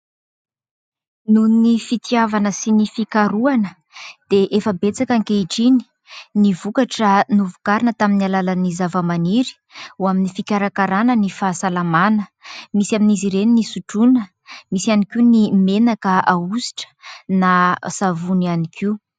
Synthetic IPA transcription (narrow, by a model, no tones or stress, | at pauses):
nunnifit̪iavanəsinifikaɾuanə | d̪̥eʔefəbet͡sakaŋkeiʈ͡ʂini̥ | nivukaʈ͡ʂənuvukaɾinət̪aminalalanizavəmaniɾi̥ | uaminifikʲaɾakaɾanənifasalamanəmisaminiziɾeninisuʈ͡ʂunə | misianikinimenakəausi̥ʈ͡ʂə̥nasavunianikʰi